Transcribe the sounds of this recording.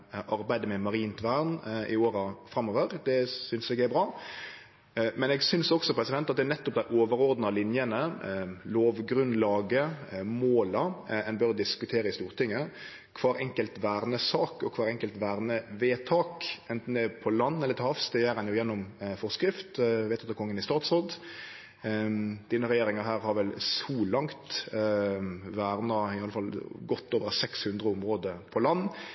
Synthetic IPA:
ʔɑɾbæɪd̪əmɛmɑɾiːnt̪ʰʋæʁnʔɪoːɾəfɾɑmoːʋəɾd̪ɛsʏnsɛɡæbɾɑː | mɛnɛːɡsʏnsɔksɔpɾɛsɪd̪ɛnt̪ɑt̪d̪ɛnɛt̪ːɔp̚d̪æɪʔoːʋəɾɔɾd̪nɑlɪnjənəloːʋɡɾʉnlɑːɡəmoːləɛnbœɾd̪ɪskʉt̪ʰeːɾəɪst̪uːɾt̪ʰɪŋːə | kʰʋɑːɾɛ̰ŋkəlt̪ʋæːɾnəsɑːkɔkʰʋɑːɾɛŋkəlt̪ʋæːʁnəʋeːt̪ʰɑːkɛnt̪n̩d̪ɛpʰɔlɑnːɛlːət̪ʰɪhɑfst̪ɛjæɾɛnjʊjɛnːɔmfɔʁskɾɪft̪ʋeːt̪ʰɑt̪kʰɔŋːənɪst̪ɑːt̪sɔd̪ | d̪̥iːnəɾɛjeːɾɪŋɑɾɦæːɾhɑɾʋɛlsuːlɑŋt̪ | ʋæːʁnɑɪɑləfɑlɡɔt̪ːoːʋəɾsɛkshʉnd̪ʁəʊmɾoːd̪əpʰɔlɑnː

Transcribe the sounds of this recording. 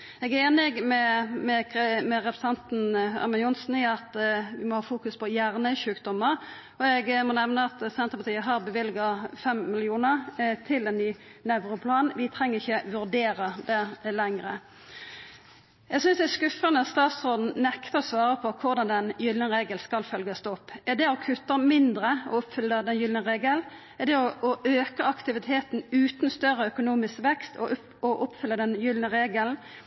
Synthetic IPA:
ɛɡæɾeːnɪɡmɛmɛkʰmɛʁɛpʰɾsɛnt̪n̩ɑ̰ʁmɑnʊnsn̩ɪɑt̪ʋɪmɔhɑːfuːkʉspʰɔjæːʁnəʃʉːkd̪ɔmːəʁ | ɔɛɡmɔnɛʋnəɑt̪sɛnt̪ʁəpɑt̪iːəɦɑʁbəʋɪlɡɑfɛmmɪlɪuːnəʁt̪ʰɪlɛnːyː | nɛʋɾʊpʰlɑːnʋɪt̪ʰʁɛŋːəʁɪçːəʋʉʁd̪eːɾəd̪ɛlɛŋɾə | jɛɡsʏnsd̪ɛskʉfənəst̪ɑːt̪sʁoːd̪n̩nɛkt̪əʁɔsʋɑːɾəpʰɔkʰʊʁd̪ɑnd̪ɛnjʏlnəʁeːɡəlskɑlfœlɡɑsd̪ɔpːɛd̪ɛɔkʰʉt̪ːəmɪnd̪ʁəɔ̰ʊpfʏlːəd̪ɛnjʏlnəʁeːɡəl | ɛd̪ɛɔɔʔøːkəɑkt̪ɪʋɪt̪ʰeːt̪n̩ʉːt̪nst̪œʁəœkʊnuːmɪskʋɛkst̪ʰɔ | ɔʔʊpfʏlːəd̪ɛnjʏlnəʁeːɡəln

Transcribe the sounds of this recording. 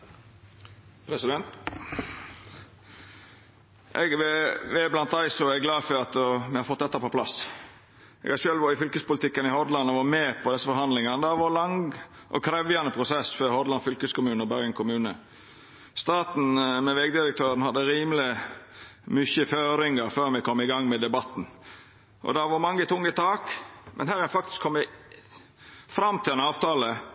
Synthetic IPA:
pʰɾɛsɪd̪ɛnt̪ | ʔɛɡʋɛʋɛblɑnt̪̚d̪æɪsɔɛɡɡlɑːfɔɾɑt̪mɪhɑɾfɔt̪̚ːd̪ɛt̪ːəpɔpʰlɑ̰s | ʔɛ̰ɡhɑʃøːlʋɑɾɪfʏlkəspʊlɪt̪ɪkːənɪhɔd̪lɑnɔʋɑmeːpʰɔd̪ɛsːəfɔɾhɑnd̪lɪŋɑnəd̪æʋɑɾlɑŋ | ʔɔ̰kʰɾɛʋjɑnəpʰɾʊsɛsføːɾhɔd̪lɑnfʏlkəskʊmʉːnɔbæɾɡəŋkʰʊmʉːnə̰ | st̪ɑːt̪n̩mɛʋɛɡd̪ɪɾək̚t̪ʰøːɾənhɑd̪ːəɾiːmlɪ | mʏçəføːɾɪŋəɾføːɾmɛɪkʰɔmːɪɡɑŋːmɛd̪ɛbɑt̪n̩ | ʔɔ̰d̪ɑʋɑmɑŋːət̪ʰʊŋːət̪ʰɑːkmʔɛ̰nhæːɾænfɑkt̪ɪ̥skʰɔmːə | fɾɑmt̪ʰɪlɛnɑːʋt̪ʰɑːlə

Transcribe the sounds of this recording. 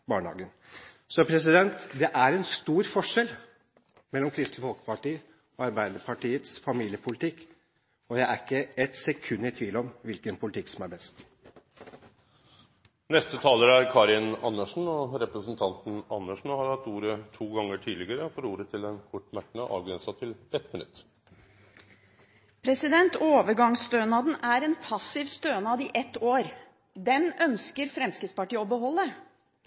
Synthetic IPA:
bɑːɳəɑ̰ːɡən | sɔpʰɾɛs̬ɪd̪ɛnt̪d̪ɛʔæɾɛnst̪uːɾfɔʂɛl | mɛlːɔmkʰɾɪst̪ləfɔlkə̥pɑʈiːə | ɔɑɾbæɪd̪əpʰɑʈiːət̪sfɑmiːlɪəpʰʊlɪt̪ʰɪkː | ɔjæɪæɾɪkːəɛt̪sɛkʰʉnːət̪ʰʋiːlɔmʋɪlkənpʰʊlɪt̪ʰɪksɔmæɾbɛst̪ | nɛst̪ət̪ʰɑːləɾæɾkʰɑːɾɪnɑnːəʂn̩ɔɾɛpɾəsn̩t̪ʰɑnt̪n̩ɑnːəʂɳ̩hɑɾhɑt̪uːɾət̪ʰuːɡɑŋːəʈʰiːd̪lɪɡəɾəfɔɾuːɾət̪ʰɪlɛnkʰʊʈːmæʈːɳəʔɑ̰ːʋɡɾɛnsɑt̪ʰɪlɛt̪mɪnʉ̰t̪ː | pʰɾɛsɪd̪ɛnt̪oːʋəɾɡɑŋsst̪øːnɑd̪n̩æɾɛːnpʰɑsɪʋst̪øːnɑd̪iːʔɛt̪ːoːɾ | d̪ɛnœnskəɾfɾɛmskəspɑʈiːɔbəɦɔlːə

